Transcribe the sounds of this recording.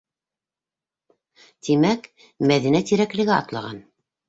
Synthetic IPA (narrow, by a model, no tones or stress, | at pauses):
t̪imæk | mæðinæt̪iɾæklɘ̆ɡɘɑ̰t̪lˠɑʁɑn